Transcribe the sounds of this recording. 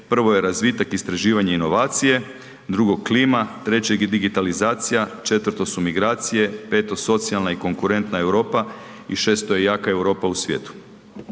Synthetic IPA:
pr̩ʋo̞je̞ɾazʋit̪akist̪ɾaʒiːʋaɲeino̞ʋaːt̪sije̞ | d̪ɾuɡo̞ɡkliːmat̪ɾe̞t͡ɕeɡed̪iɡit̪alizaːt̪sijat͡ʃe̞t̪ʋr̩t̪o̞sumiɡɾaːt̪sije̞pe̞ːt̪o̞so̞t̪sialnaiko̞ŋkuɾe̞nt̪nae̞wɾo̞ːpa | iʃe̞ːst̪ojejaːkaewɾo̞ːpausʋjḛːt̪u̥

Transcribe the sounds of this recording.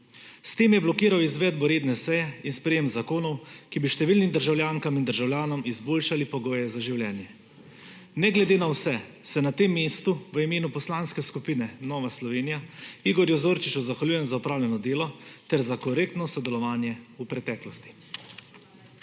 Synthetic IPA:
st̪eːmjɛblɔkiːɾawizʋɛd̪̚bɔɾeːd̪nɛsɛjɛinspɾɛjemzakoːnɔwkibiʃt̪ɛʋilnimd̪əɾʒawljaŋkamind̪əɾʒawlʲjaːnɔmizboːlʃalipɔɡoːjɛzaʒiwljɛːnjɛ | nɛɡlɛd̪eːnawsɛ | sɛnat̪eːmːeːst̪uʋəimeːnupɔslaːnskɛskupiːnɛnɔːʋaslɔʋeːnijaiɡɔɾjuzoːɾt͡ʃit͡ʃuzaxwalʲjuːjɛnzaɔpɾaːwlʲjɛnɔd̪eːlɔt̪ɛɾzakɔɾek̚t̪nɔsɔd̪ɛlɔʋaːnjɛupɾɛt̪ɛːklɔst̪i̥

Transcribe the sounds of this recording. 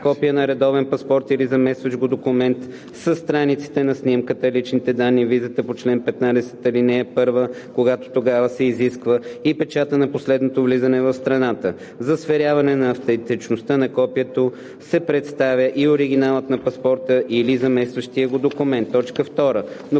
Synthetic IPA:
kɔpijənɐɾɛd̪ɔvɛnpɐspɔɾt̪ilizɐmɛst̪vəʒɡod̪okʊmɛnt̪ | səst̪ɾanit̪si̥t̪ɛnɐsnimkət̪əlit͡ʃnit̪ɛd̪anːivizət̪əpot͡ʃlɛnpɛt̪nad̪ɛsɛ̥t̪ɐlinɛːpɤɾvə | koɡat̪o̥t̪oɡavəsɛiziskvəipɛt͡ʃat̪ənɐposlɛd̪not̪ovlizənɛvɐfst̪ɾɐnat̪ə | zɐsfɛɾʲavɐnɛnɐːft̪ɛnt̪it͡ʃnost̪ənɐkɔpijət̪o | sɛpɾɛt̪st̪avʲjəʔioɾiɡ̟inalˠət̪nɐpɐspɔɾt̪əʔilizɐmɛst̪vəʃt̪iəɡod̪okʊmɛnt̪ːɔt͡ʃkəft̪ɔɾəno

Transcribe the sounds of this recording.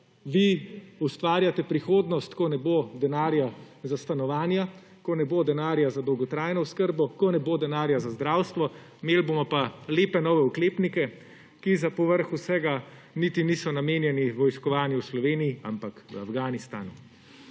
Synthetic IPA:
ʋiust̪ʋaːɾjat̪ɛpɾixoːd̪nɔst̪kɔnɛbod̪ɛnaːɾja | zast̪anɔʋaːnja | kɔnɛbod̪ɛnaːɾjazad̪ɔwɡɔt̪ɾaːjnɔuskəɾbɔkɔnɛbod̪ɛnaːɾjazazd̪ɾaːwst̪ʋɔ | meːlbomɔpaleːpɛnɔːʋɛukleːpnikɛ | kizapɔʋəɾxusɛːɡa | nit̪inisɔnameːnjɛniʋɔjskɔʋaːnjuslɔʋeːniːa̰mpakʋəafɡaːnist̪a̰ːnu

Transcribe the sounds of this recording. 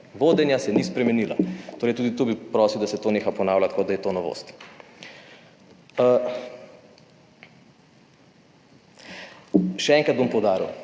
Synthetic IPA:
ʋoːd̪ɛnjasɛnispɾɛmɛnila̰t̪oːɾɛjt̪uːd̪it̪obipɾɔːsiwd̪asɛt̪oːneːxapɔnaːwlʲat̪kod̪ajɛt̪onɔʋo̰st̪ | ʃɛɛːŋkɾad̪̚bompɔwd̪aːɾiw

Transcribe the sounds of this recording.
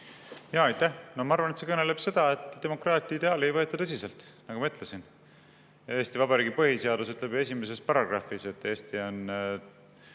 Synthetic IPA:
jɑːɑjt̪ːæhnomɑɑrvɑnet̪se̞kɤnele̞b̥se̞d̪̥ɑe̞t̪ːˑd̥̪e̞mo̞krɑːt̪ʲˑiid̪̥e̞ɑːliejvɤ̞et̪ːˑɑt̪ɤsise̞lt̪nɑɡ̥umɑyt̪ˑlesin | eːst̪ivɑbɑɾiːɡipɤhise̞ɑd̪usyt̪le̞be̞s̬ime̞s̬espɑɾɑɡrɑfise̞t̪ːˑeːst̪io̞n

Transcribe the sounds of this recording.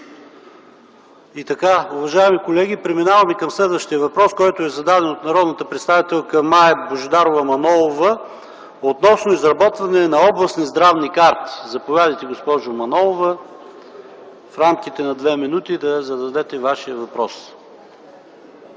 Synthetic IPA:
it̪ɐkaʊvɐʒaɛmikolɛɡ̟ipɾɛminavəmɛkɐmslɛd̪vəʃt̪ijəvɐpɾɔskɔjt̪oɛzɐd̪ad̪ɛnot̪nɐɾɔd̪nət̪əpɾɛt̪st̪avit̪ɛlˠkəmːajɛboʒd̪aɾovəmɐnɔlˠovə | ot̪nɔsnoizɾɐbɔt̪vɐnɛnɐɔblˠɐsnizd̪ɾavnikaɾt̪i̥zɐpovʲjad̪əjt̪ɛɡospɔʒʊmɐnɔlˠovə | fɾamk̟it̪ɛnɐd̪vɛminut̪id̪ɐzɐd̪ɐd̪ɛt̪ɛvaʃijəvɐpɾɔs

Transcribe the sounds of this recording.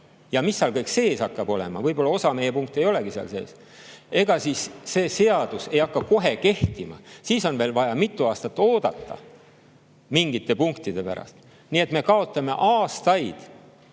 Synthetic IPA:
jɑmisːeɑlkɤjkse̞ːsɑkːɑb̥o̞le̞̰mɑvɤjbo̞lːɑo̞sɑme̞jepuŋk̚t̪ːˑe̞jo̞le̞ɡiseɑ̰lse̞̰ːs | e̞ɡ̥ɑsiːsːe̞ːse̞ɑd̪̥use̞jɑkːɑko̞ɦe̞ke̞ht̪imɑ̰siːso̞nve̞ːlvɑjɑmit̪ːˑuɑːst̪ɑt̪ːˑo̞ːd̪̥ɑt̪ːˑɑ̰ | miŋɡ̥it̪ˑːe̞puŋkt̪id̪̥e̞pæ̰ɾɑ̰st̪ | nie̞t̪me̞kɑo̞t̪ːˑɑme̞̰ʔɑːst̪ɑjd̪̥

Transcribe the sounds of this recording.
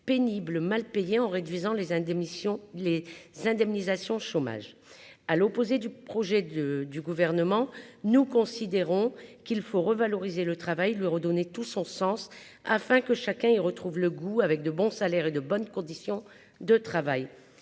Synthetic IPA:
penibləmalpejeɑ̃ʁed̪ɥizɑ̃l | lezɛ̃d̪ɛmnizasjɔ̃ʃoma̰ʒ | alopozed̪ypχɔʒɛəd̪yɡuvɛʁnəmɑ̃nukɔ̃sid̪eʁɔ̃kilfoʁəvalɔʁizelət̪χavajelɥiʁəd̪ɔnet̪usɔ̃sɑ̃s | a̰fɛ̃kəʃakʲɛ̃iʁət̪χuvləɡuavɛk̚d̪əbɔ̃salɛʁed̪əbɔnkɔ̃d̪isjɔ̃ | d̪ət̪χavaj

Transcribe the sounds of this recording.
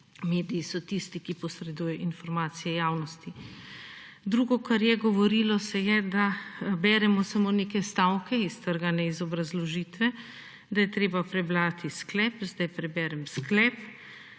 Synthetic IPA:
meːd̪ijisɔt̪ist̪ikipɔsɾɛd̪ujɛʔinfɔɾmaːt̪sijɛjaːwnɔst̪i | d̪ɾuːɡɔkaɾjɛɡɔʋɔɾilɔsɛjɛd̪abɛːɾɛmɔsamoːnekɛst̪awkɛist̪əɾɡanɛizɔbɾazlɔʒiːt̪ʋɛ | d̪ajɛt̪ɾeːbapɾɛbɾaːt̪isklɛːpzd̪ajpɾɛbɛːɾɛmsklɛːp

